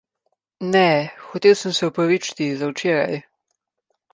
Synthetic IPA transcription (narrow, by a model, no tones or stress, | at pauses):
nɛxɔt̪eːwsəmsɛɔpɾaʋit͡ʃi̥t̪izawt͡ʃeːɾa̰j